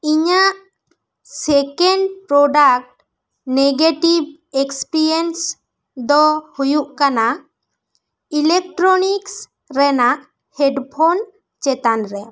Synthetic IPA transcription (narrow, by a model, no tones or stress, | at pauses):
iɲaʔ | sɛkɛɳɖpɾɔɖak̚ʈ | neɡeʈib̚ | ekspiɾiens | d̪ɔhujuʔkana | ilɛk̚ʈɾɔniks | ɾɛnaʔ | hɛɖpʰon | t͡ʃɛt̪anɾɛ